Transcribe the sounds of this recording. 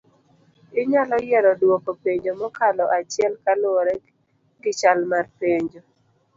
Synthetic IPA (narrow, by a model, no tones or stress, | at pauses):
ɪɲalɔjɛɾɔdwokopeɲd͡ʒomɔkalɔʔat͡ʃɪɛlkalʊoɾɛ | ɡɪt͡ʃalmarpeɲd͡ʒo